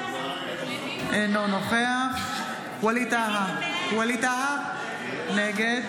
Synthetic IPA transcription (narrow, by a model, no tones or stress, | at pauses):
ʔenonoχeaχ | walit̪aɦakwalit̪aɦa | neɡed̪